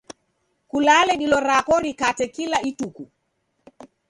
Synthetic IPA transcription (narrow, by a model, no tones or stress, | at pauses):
kulalɛɗilɔɾakɔɾikatɛkilaituku